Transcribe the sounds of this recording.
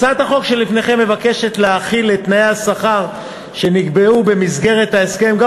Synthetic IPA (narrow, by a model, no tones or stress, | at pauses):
t͡sat̪haχo̞kʃe̞lifne̞χe̞mːe̞vake̞ʃe̞t̪leaχilet̪naeasaχaʁ | ʃe̞niɡbeube̞misɡe̞ʁet̪haeske̞mɡa